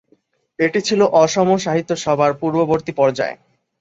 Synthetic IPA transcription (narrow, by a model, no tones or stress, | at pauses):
eʈit͡ɕʰiloʔɔʃɔmoʃaɦit̪ːoʃɔbʱaɾpuɾboboɾt̪ipɔɾd͡ʑa̰e